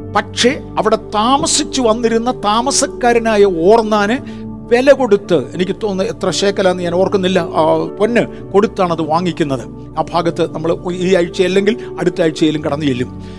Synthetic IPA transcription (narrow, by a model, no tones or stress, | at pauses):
pɐkʂe̞ | ɐʋiɽe̞t̪aːmɐsit͡ɕːɨʋɐnːiɾunːɐt̪aːmɐsɐkːaːɾɐnaːjɐo̞ːrnːaːnɨ | ʋe̞lɐko̞ɽut̪ːɨe̞̰nikʲːɨt̪oːnːɐet̪rɐɕe̞ːkːɐlaːnːɨɲaːno̞ːrkunːilːɐponːɨ | ko̞ɽut̪ːaːɳɐðɨʋaːŋːikʲːunːɐðɨ | aːbʱaːɡɐt̪ːɨnɐmːɐɭiːɐɻt͡ɕːɐɐlːeŋɡil | ɐɽut̪ːaɻit͡ɕːɐelumkɐɽɐnːɨjelːum